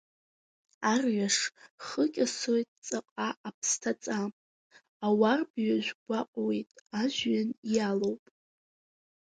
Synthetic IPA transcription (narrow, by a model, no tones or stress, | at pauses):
arɥaʂχəkʲʼasojtʼt͡sʼaqʼaʔapʰstʰat͡sʼam | awarbɥaʒʷᶣɡʷaqʷʼwejtʼaʒɥanijalowpʼ